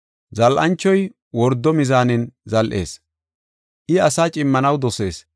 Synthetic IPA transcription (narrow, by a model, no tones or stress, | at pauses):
zɐlʔɐnt͡ʃːɔj | wɔɾd̪ːɔmɪzaːnɪnzɐlʔe̞̰ːs | ʔɪɐsaːt͡ʃʼɪmːɐnɐwd̪ɔse̞ːs